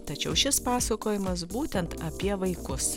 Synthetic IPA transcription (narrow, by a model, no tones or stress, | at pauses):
t̪ɐt͡ʃʲɛʊʃʲɪspɑːsɐkoːjɪmɐs̬buːt̪ʲɛnt̪ɐpʲiɛʋɐɪkʊs